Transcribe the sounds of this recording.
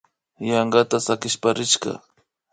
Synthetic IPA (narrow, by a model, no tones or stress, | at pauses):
jɑɴɢɑt̪asakɪʃpaɾɪʃɢɑ̰